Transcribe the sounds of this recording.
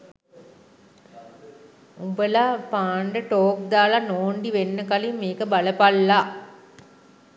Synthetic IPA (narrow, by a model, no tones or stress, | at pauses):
ubəlapaːɳɖəʈoːk̚d̪aːlanoːɳɖiʋenːəkalimːeːkəbaləpalːa